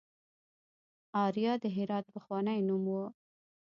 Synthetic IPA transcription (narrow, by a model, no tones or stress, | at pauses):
ɑɾijɑd̪əɦɪɾɑt̪̚pəxwɑnajnumwu